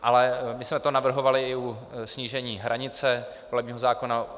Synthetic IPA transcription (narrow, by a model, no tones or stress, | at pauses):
ʔalɛmɪsmɛt̪o̞navr̩ɦo̞valɪɪusɲiːʒɛɲiːɦɾʔaɲɪt͡sɛ | volɛb̚ɲiːɦo̞zaːko̞na